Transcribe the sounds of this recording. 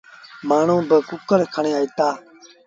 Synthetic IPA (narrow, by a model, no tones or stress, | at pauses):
maːɳõːbəkʊkəɾkʰəɳẽːaːiːt̪aː